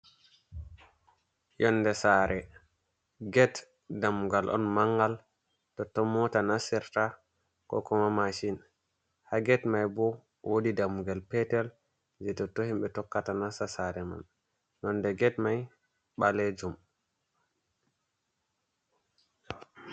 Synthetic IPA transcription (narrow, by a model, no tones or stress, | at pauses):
jɔnːdɛsaːɾɛ | ɡɛt | damuɡalʔɔ̰nmaŋɡal | tɔtːɔmɔtanasɛɾta | kɔ̰kɔmamaʃin | haɡɛtmajbɔ | wodidamuɡalpɛtɛl | d͡ʒɛtɔtːɔhimɓɛtɔkːatanasasaɾɛma̰n | jɔndɛɡɛtmaj | ɓalɛd͡ʒum